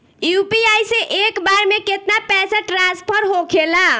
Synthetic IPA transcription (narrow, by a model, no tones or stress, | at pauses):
jupiajsẽʔekbaɾmeket̪napɛsaʈɾãspʰəɾɦokʰela